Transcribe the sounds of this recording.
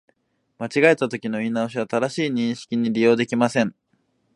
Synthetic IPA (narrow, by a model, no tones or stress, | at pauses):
mat͡ɕiɡae̞t̪at̪o̞kʲino̞inaoɕ̬iβ̞at̪ad̪aɕiːɲ̟ĩɰ̃ɕi̥kʲiɲ̟iɾʲijo̞ːd̪e̞kʲimasẽ̞ŋ